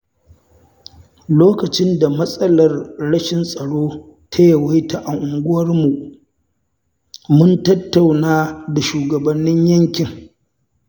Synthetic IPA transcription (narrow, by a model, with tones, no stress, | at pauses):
loː˦kɐ˨t͡ʃɪ˦nda˨mɐ˦sʼɐ˦lɐ˨rɽɐ˦ʃɪ˦nsʼɐ˨ɽoː˦ | tʰɐ˦jɐ˨wa˦jta˨ʔa˨ŋʔʊ˨ŋɡʷʊ˦wɐ˦rmu˨ | mʊ˦ntɐ˦tːa˨wnaː˦da˨ʃuː˨ɡɐ˨bɐ˨nːɪ˦ɲjɐ˦ŋkʲɪ˨ŋ